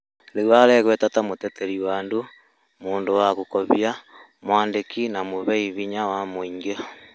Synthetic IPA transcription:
lewaɾɛɣwɛtatamotɛtɛɾiwaːndo | moːndowaɣokɔβja | mwaːndekinamoβɛiβiɲawamoiŋɡea

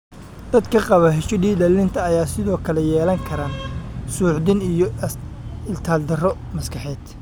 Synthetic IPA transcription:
d̪̥ɐd̪kʰɐqɑβɐɦɛʃɔdiːdɐlːɪnt̪ʰɐːjaːsɪðɔːkʰɐlɛjɛːlɐŋkʰɐɾaːnsuːʕd̪ɪnijɔ | ɪlt̪ʰaːld̪ɐrɔ | mɐskʰɑħɛːd̪

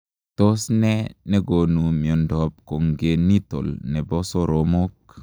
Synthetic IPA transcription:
tosneneɡonumiondɔb̚koŋɡenito̰lnebosoɾomok̚

